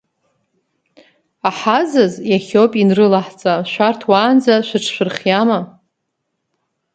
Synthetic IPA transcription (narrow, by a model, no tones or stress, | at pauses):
aħazazjaχʲopʼinrɨlaħt͡sʼaʃʷᶣartʰwaːnd͡zaʃʷᶣɨʈ͡ʂʰʃʷᶣɨrχʲjama